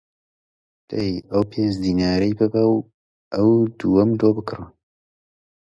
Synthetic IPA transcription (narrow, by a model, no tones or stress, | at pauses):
d̪̥ɐjɐwpʰeːnd͡ʒd̪iːnaːɾɐjbɨbɐw | ʔɐwd̪uːwɐmd̪oːbɨkrɨ